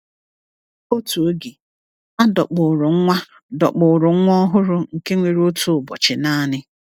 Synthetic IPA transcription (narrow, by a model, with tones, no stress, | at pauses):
o˦tu˨o˦ɡi˨ | a˦dɔ˨k͡pʊ˨ɾʊ˨ŋ̩˦ŋʷa˦ | dɔ˨k͡pʊ˨ɾʊ˨˦ŋʷɔ˦ɦʊ˦ɾʊ˨ŋ̩˨ke˦ŋʷe˨ɾo˦tu˨bɔ̰˨t͡ʃɪ˨na˦˨nɪ˦